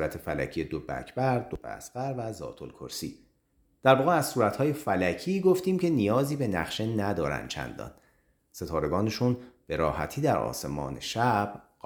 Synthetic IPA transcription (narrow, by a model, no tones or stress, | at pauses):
ɾæt̪ʰefælæ̰cʰijed̪obæ̰ːcʰb̥æɾd̪obḛæ̰sbæɾvæzɒ̰ːt̪ʰo̞̰lkʰo̰ɾsḭː | d̪̥æɾvɒːɣeæzsuːɾæt̪hɒːje̞fælæcʰiːɡoft̪iːmcʰenijɒːziːbe̞næ̰χʃe̞næd̪ɒːɾæ̰nd̪t͡ʃʰæ̰nd̪ɒ̰ːn | se̞t̪ʰɒːɾe̞ɡɒːneʃunb̥e̞ɾɒ̰ːhæ̰t̪ʰiːd̪æɾɒ̰ːse̞mɒ̰ːnḛʃæb̥ɢ